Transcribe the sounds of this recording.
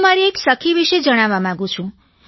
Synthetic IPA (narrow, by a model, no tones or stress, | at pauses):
maɾieksəkʰiʋiʃed͡ʒəɽ̃aʋamãɡũt͡ʃʰũ